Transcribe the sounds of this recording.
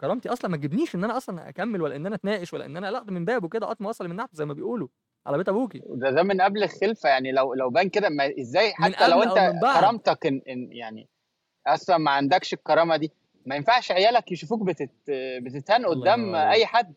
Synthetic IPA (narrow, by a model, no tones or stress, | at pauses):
kɑɾˤɑmt̪iʔɑsˤlɑnmæɡebniːʃʔenːʔænæʔɑsˤlɑnʔæ̰kæmːelwælːæʔenːʔænæt̪næːʔeʃwælːæʔḛnːʔænæʔælɑʔt̪membæːbweked̪æʔɑt̪ˤmɑʔɑsˤlɑlmenːaʕt̪zæjmæbejʔuːlo | ʕa̰læbet̪æbuːkid̪æd̪æmenʔæblexelfæjaʕnilæwlæwbænked̪æmæʔezːæːjħmanʔːælæwʔenæbaɑɾˤɑmt̪ɑkenenjaʕnḭ | ʔɑsˤlɑnmæʕand̪ækʃekːɑɾˤɑːmɑd̪iː | mæjenfaʕʃʕejæːlækjeʃufuːk̚bet̪et̪bet̪et̪hænʔod̪ːæːmʔæjːħad̪ː